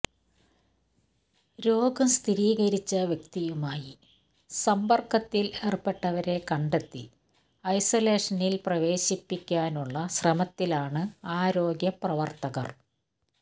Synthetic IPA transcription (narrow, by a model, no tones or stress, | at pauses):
ɾo̞ːɡɐmst̪ʰiɾiːɣɐɾit͡ɕːɐʋjɐk̚t̪ijumaːji | sɐmbɐrkɐt̪ːileːrpːeʈːɐʋɐɾe̞kɐɳɖet̪ːi | ɐjsɐle̞ːʂɐnilprɐʋe̞ːɕipːikʲːaːnuɭːɐɕrɐmɐt̪ːilaːɳɨaːɾo̞ːɡjɐprɐʋɐrt̪ɐɣɐ̰r